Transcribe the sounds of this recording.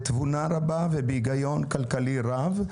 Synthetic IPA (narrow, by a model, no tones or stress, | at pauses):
t̪vunaɾabavebiɡajonkalkaliɾav